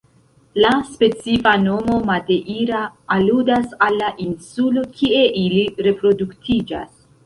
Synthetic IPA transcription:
laspe̞t͡sifano̞mo̞made̞ʔiɾaːludasalːaʔinsulo̞kʰie̞ʔiliɾe̞pɾo̞duktʰid͡ʒa̰s

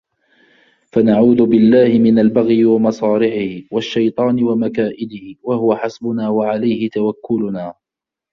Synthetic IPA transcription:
fanaʕuːd̪ʊbɪlːaːhɪmɪnalbaɣjwamɑsˤɑːlɪħɪhwaʃːɑjt̪ˤɑːnɪwamakaːʔɪd̪ɪhwahʊwaħasbʊnaːwaʕalajhɪt̪awakːʊlʊnaː

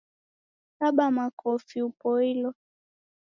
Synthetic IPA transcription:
kaɓamakʰɔfiupɔilɔ

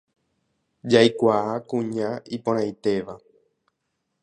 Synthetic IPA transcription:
d͡ʒajkʷaakũɲãipõɾ̃ãj̃t̪e̞ʋa

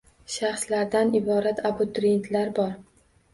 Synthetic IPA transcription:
ʃaχslaɾd̪anɪbɒɾat̪ʰabʊt̪ɾent̪ʰlaɾbɒɾ

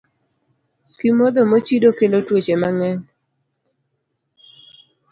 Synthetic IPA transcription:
kimod̪ɔmot͡ʃidokelotwot͡ʃemaŋɛɲ

